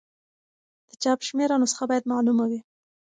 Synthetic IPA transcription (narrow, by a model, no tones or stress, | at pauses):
d̪̥ət͡ʃɑpʃmeɾanosə̥xabɑjad̪mɑlumawi